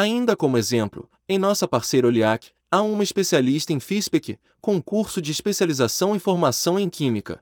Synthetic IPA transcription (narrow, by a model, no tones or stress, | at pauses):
aĩnd̪ɐkõmʊezẽmplʊ̰ | ẽj̃nɔsɐpaɾsejɾɐoliakɪ̥ | aũmɐiʃpesialiʃt̪ɐẽj̃fiʃpekɪ | kõkuɾsʊd͡ʒɪːʃpesializasɐ̃w̃ifoɾmasɐ̃w̃ẽj̃kʰĩmikɐ̰